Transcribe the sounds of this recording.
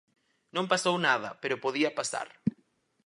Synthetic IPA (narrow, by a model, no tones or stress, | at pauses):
nõmpasownaðɐpeɾʊpoðiɐpasa̰ɾ